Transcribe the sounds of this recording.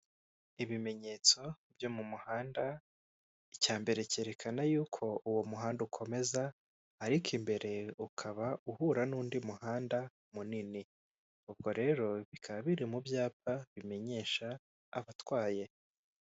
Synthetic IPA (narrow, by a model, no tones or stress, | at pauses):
iβime̞ɲe̞ːt͡so̞bjo̞mumuhaːnda | icaːmbe̞ɾece̞ɾe̞kʰanajuːkʰo̞ʔuwomuɦaːndukʰo̞me̞zaː | ɾikimbe̞ɾe̞ukʰaβauhuːɾanuːndimuhaːnda | munini | ub̚ɡo̞ɾe̞ːɾo̞βikʰaβaβiɾimubjaːp̚aβime̞ɲe̞ːʃa̰ː | βatwaːje̞